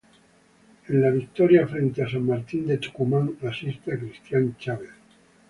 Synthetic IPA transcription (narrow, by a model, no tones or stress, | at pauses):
enlaβ̞ik̚t̪oɾjafɾe̞nt̪easamːaɾt̪ind̪e̞t͡ʃu̥kumaŋrasist̪eakɾist̪jant͡ʃaβeθ